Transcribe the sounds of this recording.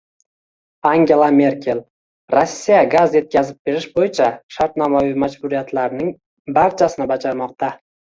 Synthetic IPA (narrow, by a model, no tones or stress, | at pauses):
aŋɡʲe̞lˠame̞ɾkʲʰe̞lˠ | ɾosːijaɡazje̞t̪̚kʲazɪp̚be̞ɾɪʃbojɪt͡ʃʰaʃaɾt̪namavimad͡ʒbʊɾijat̪laɾnɪŋ | baɾt͡ʃʰasɪnɪbad͡ʒaɾmɒq̚t̪a